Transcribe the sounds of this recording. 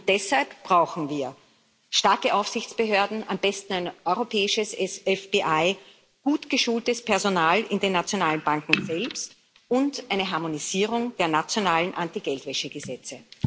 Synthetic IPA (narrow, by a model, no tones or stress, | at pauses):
ʊnd̥ɛshalpb̥ʁaʊxn̩viːɐ | ʃtaɐkəʔaʊfsɪçt͡sb̥əɦøːɐdn̩ambɛstn̩æɪnʔɔʏʁopʰɛːɪʃəsɛsɛfb̥iʔaɪ | ɡ̥uːtɡ̥əʃuːltəspʰɛɐzonaːlɪndenːat͡sjonaːlənb̥aŋkŋ̩zɛlpst | ʊntʔaɪnəɦaɐmoniziːʁ̞ʊŋd̥eːɐnat͡sjonaːlənʔantiɡɛltvɛʃəɡ̥əzɛt͡sə